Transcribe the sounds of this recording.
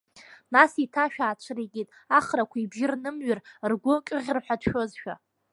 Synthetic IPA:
nasitʰaʃᶣaːt͡ʃʷʰriɡʲitʼaχɾakʷʰaibʒʲɪrnɨmɥɪrrɡʷʊkʲʼɨʁʲrħʷᶣadʰʃᶣo̞zʃᶣa̰

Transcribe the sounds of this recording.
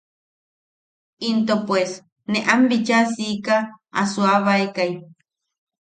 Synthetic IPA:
int̪opwes | neʔambit͡ʃasikaa̰suaβaekaj

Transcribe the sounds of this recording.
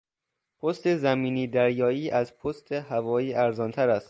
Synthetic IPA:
pʰost̪e̞zæmiːniːd̪æɾjɒːiːʔæzpʰost̪ehævɒːjiːʔæɾzɒːnt̪ʰæɾæst̪

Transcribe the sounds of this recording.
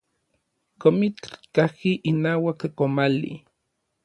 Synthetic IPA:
komit͡ɬkahkiʔinaːwakkomalḭ

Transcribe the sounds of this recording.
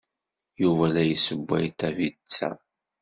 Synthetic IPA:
juvælæjəsəbːæ̰jt̪ːævit͡sːæ̰

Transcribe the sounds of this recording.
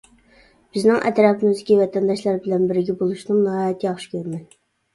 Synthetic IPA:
b̥ɪznɪŋʔɛ̰t̪ɾɑpmuzd̪ɪkʲivɛt̪ʰɛnd̪ɑʃlˠɑɾbɪlɛnbɪɾɡʲɛbolˠuʃnɨŋnɑhɑːjɛt̪ʰːijɑχʃi̥kʲʰøɾmɛn

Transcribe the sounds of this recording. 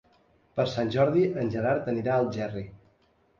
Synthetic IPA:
pəɾsanʲʒɔɾðiʔənʲʒəɾaɾt̪əniɾaəlˠʒɛri

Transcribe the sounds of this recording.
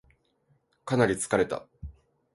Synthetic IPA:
kanaɾʲit͡sɨ̥kaɾe̞t̪a̰

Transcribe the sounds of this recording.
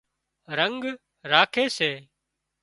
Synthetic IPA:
ɾəŋɡ | ɾaːkʰeːseː

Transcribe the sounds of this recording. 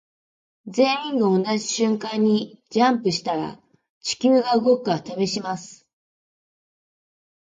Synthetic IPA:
zẽ̞ɰ̃ĩŋɡaonaʑiɕɨ̃ŋkãɲ̟ːid͡ʑãmpɯ̟ɕi̥t̪aɾa̰ | t͡ɕi̥kʲɨːɡaɯ̟ɡo̞kɯ̟at̪abe̞ɕimasɨ̥

